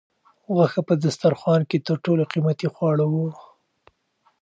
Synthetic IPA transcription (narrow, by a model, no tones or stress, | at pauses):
ɣaxapəd̪ast̪aɾxwɑnket̪əɾʈoloqimat̪ixwɑɽawu